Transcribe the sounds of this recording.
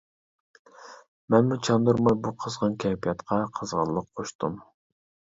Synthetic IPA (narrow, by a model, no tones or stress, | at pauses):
mɛnmut͡ʃʰɑnd̪uɾmɑjbuqʰəzʁɑnkʲʰɛpʰijɑt̪qʰɑqʰəzʁə̰lˠəqʰoʃt̪um